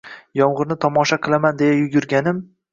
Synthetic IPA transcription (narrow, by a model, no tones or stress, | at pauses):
jɒɴʁɨɾnɪt̪ʰɒmɒʃaqʰɨlˠamand̪e̞jajʊɡʲʊɾɡʲanɪm